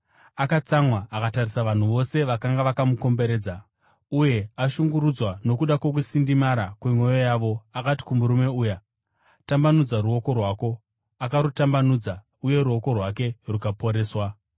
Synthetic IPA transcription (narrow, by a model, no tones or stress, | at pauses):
akat͡samwaakatarisaʋan̤uʋo̞se̞ʋakaŋɡaʋakamuko̞mbe̞ɾe̞ːd͡za | uje̞aʃuŋɡuɾud͡zwano̞kuɗakwo̞k̬usindimaɾakwemwo̞jojaːʋo̞akati̥kumuɾume̞uːja | tambanud͡zaruo̞ko̞rwaːko̞ | akaɾutambanud͡za | uje̞ɾuo̞ko̞rwak̬e̞rukapo̞ɾe̞ːswa